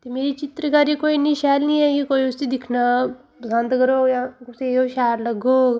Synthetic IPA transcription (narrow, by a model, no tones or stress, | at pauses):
t̪emeɾit͡ɕit̪ɾəkaɾikoiniɕalnijekikoiust̪id̪ikʰnə | zʱãnd̪ɡəɾojãkusẽoɕaɾləɡo